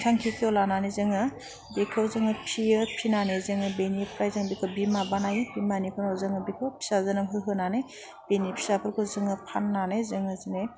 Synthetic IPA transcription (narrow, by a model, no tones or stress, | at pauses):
kʰaŋkʰikʰiolananezɯŋɯ | bekʰawzɯŋɯpʰiɯpʰinanezɯŋɯbenipʰɾajzɯŋbikʰɯbimabanajbimanipʰɯnawzɯŋɯbikʰɯpʰi̥sazɯnɯmɦɯɦɯnane | b̥enipʰi̥sapʰɯɾkʰɯzɯŋɯpʰanːanezɯŋɯzɯne